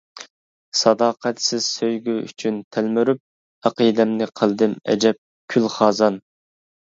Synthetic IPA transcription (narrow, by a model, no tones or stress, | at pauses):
sɑd̪ɑːqʰæt̪sɪz̥søjɡʲyy̰t͡ʃʰynt̪ʰælmyɾyp̚ | æqəd̪ɛmnɨqʰəlˠd̪ɨmɛ̰d͡ʒɛp̚ | kʲʰylχɑːzɑn